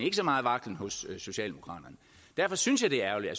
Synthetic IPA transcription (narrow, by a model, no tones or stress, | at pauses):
e̝ɡ̥əsɒ̽mɑ̈ːð̩ˠʋɑ̈ɡ̥ln̩hɔ̽sːo̝ɕɛ̰ːlde̝mo̝kʰʁɑ̰̈ːd̥ɐnə | d̥æɐfɒ̽synsjɑ̈ɪd̥e̝æɐæɐlid̥æs